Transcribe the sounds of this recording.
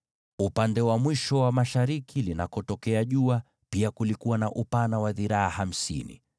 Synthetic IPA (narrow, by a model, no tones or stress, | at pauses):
upandɛwamwiʃɔwamaʃaɾikʰilinakɔtɔkɛaʄua | piakulikuwanaʔupanawaðiɾaaham̩sḭnḭ